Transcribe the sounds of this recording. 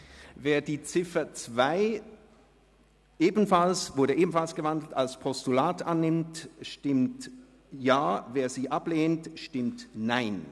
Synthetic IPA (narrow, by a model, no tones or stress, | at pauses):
veːɐdiːt͡sɪfɐt͡sv̥aɪ | ʔeːbn̩falsvʊɐɾəʔeːbmn̩falsɡ̥əvandl̩talspʰɔstulaːtʔanːɪmtʃtɪmt | jaːveːɐziːʔapleːntʃtɪmtnaɪn